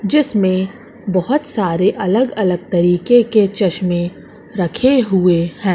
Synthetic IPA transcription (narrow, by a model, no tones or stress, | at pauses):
d͡ʒɪsmẽ | bɐɦʊt̪saːɾeʔɐləɡɐləɡ̚t̪ɐɾiːkeket͡ʃɐʃmẽ | ɾɐkʰeɦʊehɛ̃ː